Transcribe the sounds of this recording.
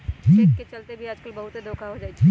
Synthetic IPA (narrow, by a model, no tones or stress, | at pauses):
d͡ʒiːket͡ʃɐlt̪ebʱiaːd͡ʒkəlbɐɦut̪ed̪oːkʰaɦod͡ʒaːiiː